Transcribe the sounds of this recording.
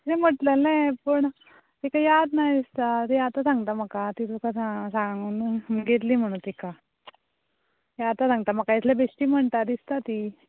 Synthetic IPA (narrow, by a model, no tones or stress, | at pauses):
eməʈlelajpəɳ | t̪ikajad̪najd̪ist̪at̪ijaat̪asãŋɡt̪aməkat̪it̪okasasãŋɡuːnɡet̪liːm̤əɽ̃ũːnt̪ika | jat̪asãŋɡt̪am̤akːait̪lebʱesʈiːm̤əɳt̪aɾd̪ist̪at̪i